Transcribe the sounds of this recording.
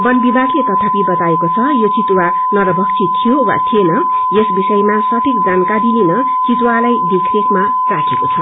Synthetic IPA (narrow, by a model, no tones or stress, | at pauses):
bʌnbibʱakʰlet̪ʌt̪ʰapibʌt̪aekot͡sʰʌjot͡sit̪wa | nʌɾʌbʱʌk̚t͡sʰit̪ʰijowa̰t̪ʰienʌ | jesbisʌjmasʌt̪ʰik̚d͡zankad̪ininʌ | t͡sit̪walajd̪ekʰekma | rakʰekot͡sʰʌ